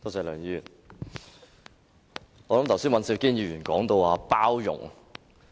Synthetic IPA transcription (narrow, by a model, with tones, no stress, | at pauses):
t̪oː˥sɛː˨˧˩lœː˨˩ŋjy˧˨n | ɔː˨˧lɐ˨˦mt̪ʰwsi˥nwɐ˨nsiː˧˩wkiː˥nji˧˩yː˨˩nkɔː˨˥ŋt̪o˧waː˧paː˥wjʊ̰˨˩ŋ